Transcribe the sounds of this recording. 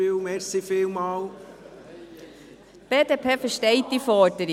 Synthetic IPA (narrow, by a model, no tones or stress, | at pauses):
ɪlmɛɾsifɪlmɑːl | b̥eːdeːpʰeːfəʃtɛɪt̚d̥ifɔːdəɾi